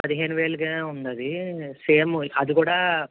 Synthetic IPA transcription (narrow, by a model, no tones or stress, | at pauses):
ɐd̪iɦeːnuʋeːɭɡeund̪ɐd̪iseːmɐd̪ukuːɽɐ